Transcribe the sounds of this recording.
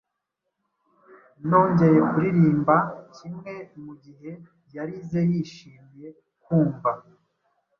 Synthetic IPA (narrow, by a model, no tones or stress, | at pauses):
no̞ːɲɟe̞ɾeɡuɾiɾiːmbacimŋe̞muɟiɦe̞ | jaɾize̞jiʃiːmije̞ | kuːmva